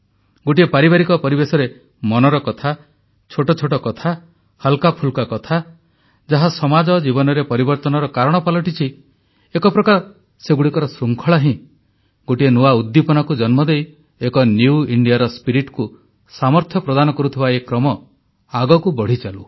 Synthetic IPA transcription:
ɡoʈiepaɾibaɾikɔpɔɾibesɔɾe | mɔnɔɾɔkɔt̪ʰa | t͡ʃʰoʈɔt͡ʃʰoʈɔkɔt̪ʰa | halkapʰulkakɔt̪ʰa | d͡ʒaɦasɔmad͡ʒɔd͡ʒibɔnɔɾepɔɾibɔɾt̪ɔnɔɾɔkaɾɔɽ̃ɔpalɔʈit͡ʃʰi | ekɔpɾɔkaɾɔ | seɡuɽikɔɾɔsɾuŋkʰɔɭaɦĩ | ɡoʈienuaud̪ːipɔnɔkud͡ʒɔnmɔd̪ej | ekɔnjuiɳɖijaɾɔspiɾiʈku | samɔɾt̪ʰjɔpɾɔd̪anɔkɔɾut̪ʰibaekɾɔmɔ | aɡɔkubɔɽ̤it͡ʃalu

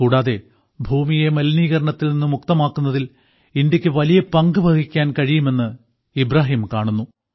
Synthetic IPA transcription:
kuːɽaːðe̞ | bʱuːmijemɐlniːɣɐɾɐɳɐt̪ːilninːuɨmukt̪ɐmaːkːunːɐðil | indɐkʲːɨʋɐlijɐpɐŋɡɨbʱɐɡikʲːaːnkɐɻijume̞nːɨ | ibɾaːɦiːmkaːɳunːu

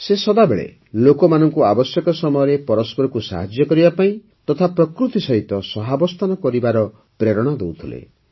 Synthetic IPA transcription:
sesɔd̪abeɭḛ | lokɔmanɔŋkuabɔsjɔkɔsɔmɔjɔɾepɔɾɔspɔɾɔkusa̰ɦad͡ʒjɔkɔɾibapaĩ | t̪ɔt̪ʰapɾɔkɾut̪isɔɦit̪ɔsɔɦabɔst̪ʰanɔkɔɾibaɾɔ | pɾeɾɔɽ̃ɔd̪owt̪ʰilḛ

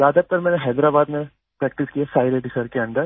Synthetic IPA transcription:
zaːd̪ət̪ɐɾmɛ̃ːneɦɛːd̪ɾaːbaːd̪nẽ | pɾɛːk̚ʈɪskijasaːɪɾeɖɪsəɾkeɐ̃ɳɖəɾ

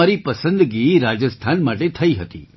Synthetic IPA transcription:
aɾipəsə̃nd̪ɡiɾad͡ʒəst̪ʰanmaʈet̪ʰəiɦət̪ḭ

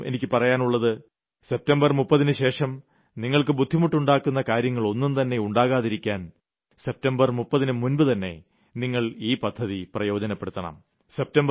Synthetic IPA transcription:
e̞̰nikʲːɨpɐrɐjaːnuɭːɐðɨ | se̞p̚tɐmbɐrmupːɐðinɨɕe̞ːʂɐm | niŋːɐɭkɨbud̪ʱːimuʈːuɳɖaːkːunːɐkaːɾjɐŋːɐɭo̞nːumt̪ɐnːe̞uɳɖaːɣaːðiɾikʲːaːn | se̞p̚tɐmbɐrmupːɐðinɨmunbɨt̪ɐnːe̞̰ | niŋːɐɭiːpɐd̪ʱːɐðiprɐjo̞ːd͡ʑɐnɐpːe̞ɽut̪ːɐɳɐ̰m | se̞p̚tɐmb

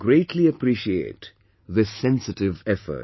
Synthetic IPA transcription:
ɡɾeɪʈʰliəpɾiʃiḛːʈ | ðɨsɛ̃nsɨʈɪʋɛfə̰

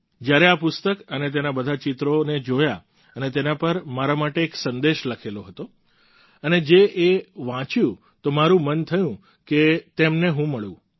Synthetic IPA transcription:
d͡ʒjaɾeapʊst̪əkənet̪̬enabəd̪ʱat͡ʃɪt̪ɾoned͡ʒoja | ənet̪enapəɾmaɾamaʈeːksə̃nd̪eʃləkʰeloɦət̪o | əned͡ʒeʔeʋãt͡ʃjũ | t̪omaɾũmənt̪ʰəjũ | ket̪emneɦũməɭjṵ̃

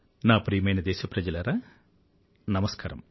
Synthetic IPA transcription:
naːpɾiːmɐjnɐd̪eːɕɐprɐd͡ʑɐlɐɾɐ | nɐmɐskaːɾɐ̰m

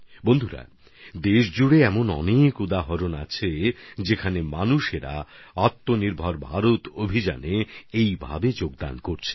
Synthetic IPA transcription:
bond̪ʱuɾa̰ | d̪eʃd͡ʑuɽeɛmonɔ̰nekud̪aɦoɾonat͡ɕʰed͡ʑekʰanemanuʃeɾa̰at̪ːoniɾbʱɔɾbʱaɾot̪obʱid͡ʑa̰neejbʱa̰bed͡ʑoɡ̚d̪a̰nkoɾt͡ɕʰe̥

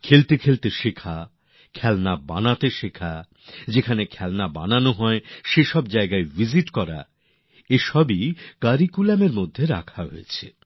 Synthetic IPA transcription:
kʰelt̪ekʰelt̪eʃekʰa | kʰɛlnaba̰nat̪eʃekʰa | d͡ʑekʰanekʰɛlnaba̰nanoɦɔeʃeʃɔb̚d͡ʑaeɡaevid͡ʑiʈkɔɾa̰ | eʃɔbikaɾikulameɾmod̪ʱːeɾa̰kʰaɦo̰jet͡ɕʰḛ

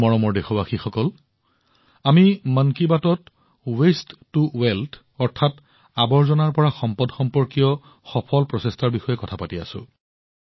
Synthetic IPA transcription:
mɔɹɔmɔɹdexɔbaxixɔkɔl | amimankibatɔt | westːuwɛltʰ | ɔɹtʰat | abɔɹzɔnaɹpɔɹaxɔmpɔdxɔmpɔɹkijɔ | xɔpʰɔlpɹɔsestaɹbixɔjɛkɔtʰapatia̰sʊ̰̃

